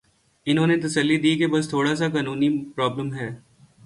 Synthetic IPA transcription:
ɪnɦõːnet̪ɐsəlːid̪iːkebɐst̪ʰoːɽas̬akaːnuːnipɾɔːbləmɦɛː

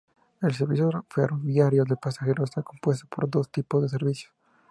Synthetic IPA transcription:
els̬eɾβis̬joferoβjaɾjoðepasaxe̞ɾoest̪ako̞mpwe̞st̪o̥po̞̰ɾd̪o̞st̪ipozðes̬eɾβisjo̥s

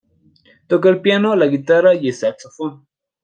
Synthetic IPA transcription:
t̪ok̬alpjanolaɣit̪aɾajesat͡sofa

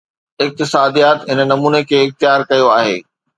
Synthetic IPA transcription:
ɪk̚t̪ɪsaːd̪ijaːt̪ɦɪnənɐmuːnekʰeːɪxt̪ɪjaːɾkɐjoaːɦḛː

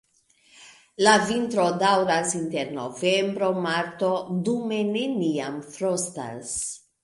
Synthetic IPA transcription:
lavintɾo̞dawɾasinte̞ɾno̞̰ve̞mbɾo̞maɾto̞dume̞ne̞niamfɾosta̰s

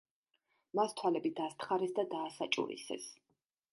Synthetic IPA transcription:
mast̪ʰwalɛbid̪ast̪ʰχaɾɛsd̪ad̪aːsat͡ʃʼṵɾḭsɛ̰s

